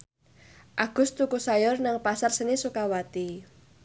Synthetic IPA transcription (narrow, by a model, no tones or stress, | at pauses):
ʔaɡ̥ʊ̤st̪ukusajɔrnaŋpasarsənisukawat̪i